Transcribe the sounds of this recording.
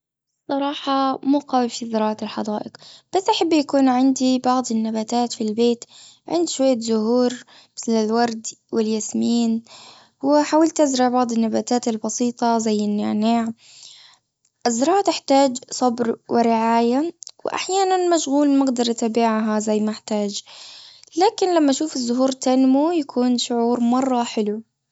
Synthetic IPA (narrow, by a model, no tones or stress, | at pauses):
sˤːɑɾˤɑːħɑmuːqaːwɪbfizɑɾˤɑːʕɪlħɑd̪ˤaːʔɪqb̥asːʔaħabːjakuːnʕɪnd̪ibɑʕd̪ˤɪnːabaːt̪aːt̪filbeːt̪ | ʕɪ̰nd̪ʃwajːazʊhuːɾ | mɪθlɪlwɑɾˤd̪wɪljasmiːn | wɪħaːwalt̪ːɪzɾɪʕbɑʕd̪ˤɪnːabaːt̪aːt̪ɪlbɑsiːt̪ˤɑzajːɪnːɪʕnaːʕ | ʔɪzɾˤɑːʕt̪ɪħt̪aːd͡ʒsˤɑbɾwɪɾɪʕaːjawɪ̰ʔa̰ħjaːnanmaʃɣuːlmaɡd̪ɑɾˤʔat̪aːbɪʕɦazajːmaʔɪħt̪aːd͡ʒ | laːkɪnlamːaʔʃuːfɪzːʊɦuːɾt̪anmujakʰuːnʃʊʕuːɾmɑrˤːɑħɪlu